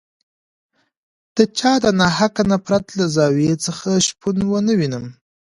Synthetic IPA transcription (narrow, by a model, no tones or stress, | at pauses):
d̪̥ət͡ʃɑd̪ənaɦakanapɾat̪lazɑwet͡səxaʃpʰunwənəwinəm